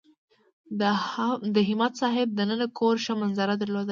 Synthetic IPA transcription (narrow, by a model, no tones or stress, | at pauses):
d̪əɦɪmɑt̪sɑɦɪb̚d̪ənənakʰoɾʃəmanzaɾad̪əɾlod̪a